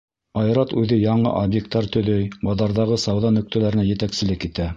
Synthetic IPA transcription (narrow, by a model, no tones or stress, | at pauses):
ɑjɾɑt̪ʉðɘjɑɴɤ̰ʔobjek̚t̪ːɑɾt̪ɵ̆ðɵjbɑðɑɾðɑʁɤsɑwðɑnɵ̆k̚t̪ælæɾɘ̆næjɘ̆t̪æksɘ̆lɘkit̪æ